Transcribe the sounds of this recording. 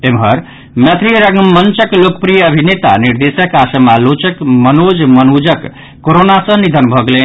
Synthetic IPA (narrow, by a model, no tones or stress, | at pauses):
emɦəɾ | mjət̪ʰɾiɾəɡmənt͡ʃəklokəpɾijəːbʱinet̪a̰niɾd̪esəkasəmalot͡ʃəkmənod͡ʒmənud͡ʒəkː | oɾonasə̃nid̪ʱənbʱəɡelen